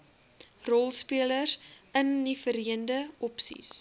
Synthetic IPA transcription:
rɔlˠspiələsənːifəɾiəndəɔpsḭs

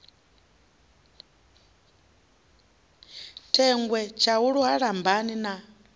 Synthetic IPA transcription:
tʰɛŋɡwɛt͡ʃʰauɺuɦaɺambanina

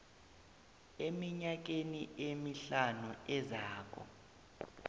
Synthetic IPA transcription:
emiɲak̬eniemiɬanuɛzaːk̬ʰʼɔ̰

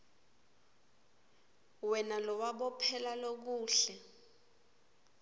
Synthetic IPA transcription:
wɛnalɔwaɓɔpʰɛlalok̬uːɬɛ

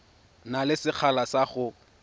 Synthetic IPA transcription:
nalɪsɪk͡xʰalasaχʊ

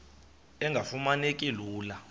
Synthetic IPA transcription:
ɛŋɡʱafumanekʼiluːla

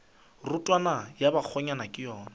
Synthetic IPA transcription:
rʊtʼwanajabak͡xʰɔɲanakʼɪjɔːna

